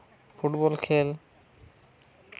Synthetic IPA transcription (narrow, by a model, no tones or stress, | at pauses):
fʰuʈbɔlkʰel